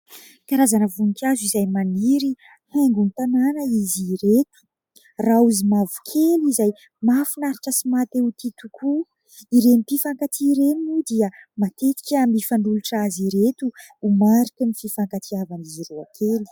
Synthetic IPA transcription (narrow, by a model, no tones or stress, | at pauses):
kaɾazanəvunikʲazizajmaniɾi | haŋɡunit̪ananəiziɾet̪u̥ | rauzimavu̥kʰelizaj | mafinaɾiʈ͡ʂəsimat̪eut̪it̪ukʰu | iɾenip̪ifaŋkat̪ʰiɾeninud̪iəmat̪et̪i̥kʲamifaɳɖ͡ʐuluʈ͡ʂaziɾet̪uː | maɾikənififaŋkat̪iavaniziɾua̰kʰeli̥